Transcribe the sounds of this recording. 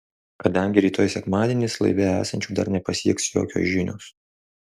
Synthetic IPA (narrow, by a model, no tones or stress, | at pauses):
kɐd̪ɐŋʲɡʲɪɾʲiːt̪oːjsʲɛkmɑːd̪ʲiɛnʲɪslˠɐ̰ɪʋʲɛæːsɐnʲt͡ʃʲuːd̪ɐɾnʲɛpɐsʲiɛksjo̰ːkʲo̰ːsʒʲɪnʲo̰ːs